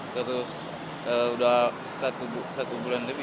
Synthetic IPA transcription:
t̪əɾʊs | əudah | sat̪ubsat̪ubulanləbi

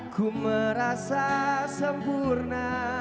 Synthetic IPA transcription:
ɡ̥uməɾasasəmpurna

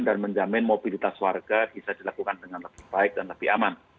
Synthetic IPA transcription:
ndanməɲd͡ʒamɪnmob̥ilit̪aswarɡ̥ab̥isadilakukandəŋanləb̥ɪhb̥aɪk̚danləb̥iha̰man

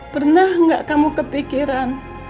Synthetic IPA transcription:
pərnahŋɡaʔkamukəpikiɾan

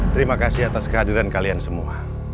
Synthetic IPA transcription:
t̪əɾimakasihat̪askəɦadiɾankaliansəmua

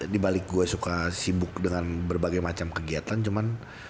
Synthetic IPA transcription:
dibalɪk̚ɡuasukasibʊk̚dəŋanbərbaɡajmat͡ʃamkəɡiat̪ant͡ʃuman

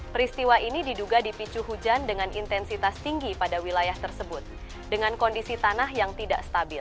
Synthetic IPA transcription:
pəɾist̪iwaʔinididuɡadipit͡ʃuɦud͡ʒandəŋanḭnt̪ɛnsit̪ast̪iŋɡipadawilajaht̪ərsəbʊt̪̚ | dəŋankɔndisit̪anaɦjaŋt̪ida̰ʔst̪abɪl

